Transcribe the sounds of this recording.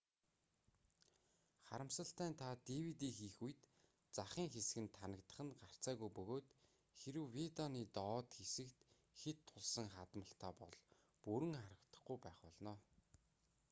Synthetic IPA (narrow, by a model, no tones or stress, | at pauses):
χa̰ɾə̆msə̆ɬt̪æːnt̪ʰat̪iwit̪iːŋxiːxuj̆t̪ | t͡saχiːŋxesɘ̆ɡɘ̆nt̪ʰanə̆kt̪ə̆χə̆nɢar̥t͡saːɣujpɵɣoːt̪ | xeɾɘ̆wwit̪ɔniːt̪ɔːt̪xesɘ̆kt̪ | xet̪ʰːʊɮsə̆ŋχat̪mə̆ɬt̪ʰaːpɔ̰ɮ | puɾɘ̆ŋχaɾə̆kt̪ə̥̆χɡujpæːχpɔɮnɔː